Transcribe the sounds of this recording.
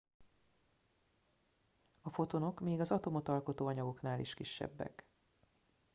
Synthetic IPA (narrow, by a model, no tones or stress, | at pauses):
ɒfo̞t̪ono̞kmiːɡɒzɒt̪o̞mo̞t̪ɒlko̞t̪oːɒɲɒɡo̞knaːlḭʃkiʃːɛ̰bːɛ̰k